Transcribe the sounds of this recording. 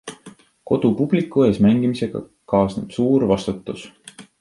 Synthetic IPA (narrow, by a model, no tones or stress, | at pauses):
ko̞d̪̥upub̥likːˑuesmæŋɡimise̞ɡ̥ɑ̰ | kɑːsnub̥suːɾvɑst̪ut̪ːˑus